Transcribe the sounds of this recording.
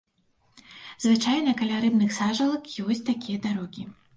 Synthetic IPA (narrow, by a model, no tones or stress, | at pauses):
zvɨt͡ʂajnɐkɐlʲaɾɨbnɨxsaʐɐlˠɐkjjɔsʲt͡sʲt̪akʲijɐd̪aɾɔɡʲi